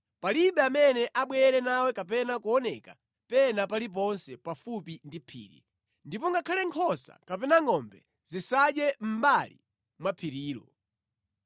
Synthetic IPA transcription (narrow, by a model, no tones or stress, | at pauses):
paliɓɛamɛnɛʔaɓwɛɾɛnawɛkap̬ɛnakuɔnɛka | pɛnapalip̬ɔnsɛpafupindipʰḭːɾḭ | ndipɔŋɡakʰalɛŋkʰɔsa̰kapɛnaŋɔmbɛ | zisaɗjɛm̩balḭ | mwapʰiɾiːlɔ̰